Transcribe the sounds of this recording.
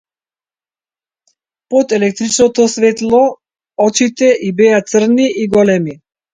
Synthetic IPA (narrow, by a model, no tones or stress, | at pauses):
pɔt̪ɛlɛk̚t̪ɾit͡ʃnɔt̪ɔsvɛt̪lˠɔ | ɔt͡ʃit̪ɛʔibɛat̪sr̩niʔiɡɔlɛmi